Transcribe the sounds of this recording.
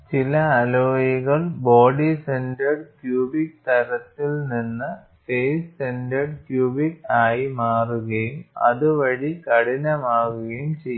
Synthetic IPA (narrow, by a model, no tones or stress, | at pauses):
t͡ɕilɐːloːjiɣɐɭboːɖisendɐrɖkjuːbik̚t̪ɐɾɐt̪ːilninːɨ | fejssendɐɖkjuːbikaːjimaːruɣɐjumɐ̰ðuʋɐɻikɐɽinɐmaːɣɐɣɐjumt͡ɕejː